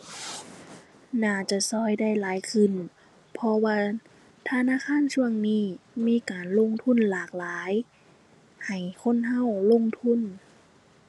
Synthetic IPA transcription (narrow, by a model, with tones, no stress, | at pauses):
naː˧˩t͡ɕa˧˩sɔː˧˩jda˥˩jlaː˨˦jkʰɯ˧˨n | pʰɔ˧waː˧ | t̪ʰa˧naː˧˥˨kʰaː˧˥˨nsu˧əŋniː˧˥˩miː˧˥˨kaː˨˩nlo˧˥˨ŋt̪ʰu˧˥˨nlaː˨˩k̚laː˨˦j | ha˨˩jkʰo˧˥˨nɦa˧˥˨wlo˧˥˨ŋt̪ʰu˧˥˨n